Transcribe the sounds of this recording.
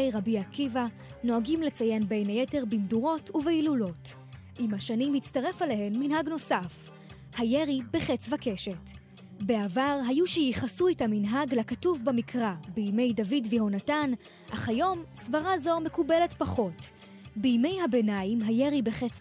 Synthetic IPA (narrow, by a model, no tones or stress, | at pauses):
jʁabiakiva | no̞aɡimle̞t͡saje̞nbe̞jnajete̞ʁbimduʁo̞tuveilulo̞t | ʔimhaʃanimit͡staʁe̞faleɦe̞nminhaɡno̞saf | hajeʁibeχe̞t͡svake̞ʃe̞t | be̞avaʁɦajuʃejiχasuetaminɦaɡlakatuvbamikʁabijme̞jdavidveɦo̞natan | ʔaχajo̞msvaʁazo̞me̞kube̞le̞tpaχo̞t | bijme̞jhabe̞najimɦaje̞ʁibeχet͡s